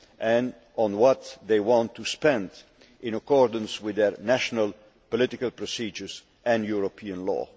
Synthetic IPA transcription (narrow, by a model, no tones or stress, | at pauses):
ʔɛ̃ñ | nwɔt̪ðeɪwɑ̃nt̪ʰːuspɛ̃nd | ʔɪ̃nakɔɹdə̃nswɪðɛɹnæʃɔnal | pɔlɪt̪ɪkalpɹɔsiːd͡ʒəɹs | ɛ̃njuɹopʰiə̃nlɔ̰ː